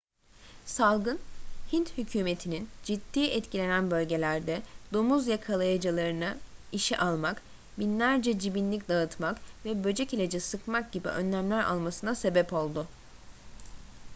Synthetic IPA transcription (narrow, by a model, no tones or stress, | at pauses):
salˠɡɯnhint̪hycʰyːme̞t̪ʰinind͡ʒid̪̥ːiːʔɛt̪cʰilʲe̞nænbø̞lʲɟe̞lʲæɾd̪ɛd̪omuzjakʰalˠajad͡ʒɯlˠaɾɯnɯiʃiʔalˠmak | binlʲæɾd͡ʒɛd͡ʒibinlʲicd̪aɯt̪makvɛbø̞d͡ʒɛcilʲed͡ʒɛsɯkmak̚ɟ̥ibḭʔønlʲæmlʲæɾa̰lˠmasɯnase̞bɛpo̞lˠd̪ʊ